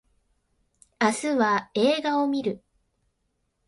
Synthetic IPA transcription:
asɨβae̞ːɡao̞mʲiɾɯ̟

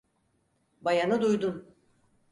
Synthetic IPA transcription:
bajanɯd̪ujd̪un

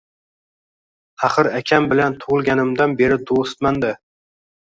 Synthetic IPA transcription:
ɑχɨɾakʲʰambɪlant̪ʰʊʁɨlˠɡʲanɪmd̪anbe̞ɾɪd̪ost̪mand̪ɪ

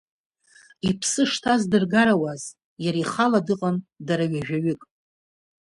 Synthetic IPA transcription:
ipʰsɨʂtʰazdɨrɡaɾawaz | jaɾiχaladɨqʼandaɾaɥaʒᶣaɥɨkʼ

